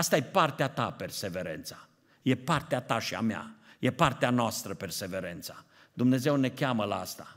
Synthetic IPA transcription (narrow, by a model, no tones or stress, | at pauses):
ast̪aje̞part̪eat̪ape̞rse̞ve̞ɾḛnt̪sḁ | je̞part̪eat̪aʃia̰mea̰je̞part̪eanoast̪ɾəpe̞rse̞ve̞ɾent̪sa | d̪umne̞ze̞wne̞kʲaməlaast̪a